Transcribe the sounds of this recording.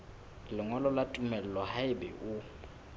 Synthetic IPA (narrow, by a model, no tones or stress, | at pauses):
lɪŋwɛlɔlatʼumɛl̩lɔhaɪbɛ̰ʔʊ